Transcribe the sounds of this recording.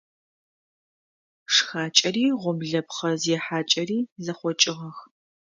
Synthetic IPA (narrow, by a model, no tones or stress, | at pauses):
ʂxaːt͡ʃʼɐriːʁʷʊmɮɐpχɐzɛħaːt͡ʃʼɐriːzɐχʷɔt͡ʃʼɪʁɐx